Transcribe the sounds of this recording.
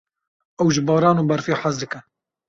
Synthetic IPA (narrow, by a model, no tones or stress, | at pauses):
ɛwʒɪbɑːɾɑːnuːbɐɾfjeħazd̪ɨkɛ